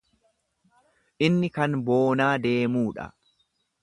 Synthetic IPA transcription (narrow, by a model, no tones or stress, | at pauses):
ʔɪnːɪkɐnbo̞ːnaːd̪e̞ːmuːᶑɐ̰